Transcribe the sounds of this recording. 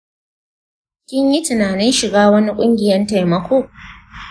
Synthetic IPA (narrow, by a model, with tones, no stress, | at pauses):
kʲɪ˦ɲji˦tɪ˨naː˨nɪ˦nʃɪ˨ɡaː˦wɐ˦ni˦kʷʼʊ˦ŋɡʲɪ˨jɐ˦nta˨jmɐ˦kʷoː˦